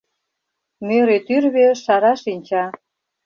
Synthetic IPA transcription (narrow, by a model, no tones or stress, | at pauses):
møɾet̪yrβeʃɑɾɑʃinʲt͡ɕɑ